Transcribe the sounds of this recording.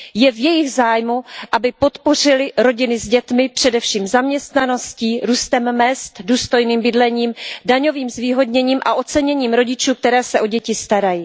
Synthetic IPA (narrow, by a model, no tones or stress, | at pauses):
jɛvjɛjɪɣzaːjmuʔabɪpo̞t̪po̞r̝ɪlɪɾo̞ɟɪnɪzɟɛt̪mɪpr̝̥ɛdɛfʃiːmzamɲɛst̪nano̞sciːɾuːst̪ɛmmɛst̪duːst̪o̞jniːmbɪdlɛɲiːmdaɲo̞viːmzviːɦo̞dɲɛɲiːmʔa̰ʔo̞t͡sɛɲɛɲiːmɾo̞ɟɪt͡ʃuːk̚t̪ɛɾɛːsɛʔo̞ɟɛcɪst̪aɾaji